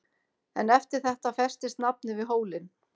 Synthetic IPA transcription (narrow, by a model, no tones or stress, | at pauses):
ɛnɛft̪ɪɾ̥θɛht̪afɛst̪ɪst̪nap̚nɪvɪðɦoːwlɪn